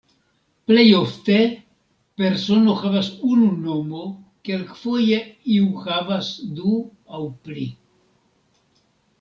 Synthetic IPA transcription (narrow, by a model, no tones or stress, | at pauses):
plejo̞ft̪e̞ | pe̞ɾso̞no̞xavasununo̞mo̞kelkfo̞jeiuxavasd̪u | awpli